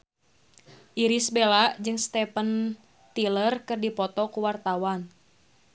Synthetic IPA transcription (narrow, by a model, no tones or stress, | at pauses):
ʔiɾisbelaʔd͡ʒɨŋst̪ɛpən | t̪ilərkɨrdipɔt̪ɔkuwart̪awan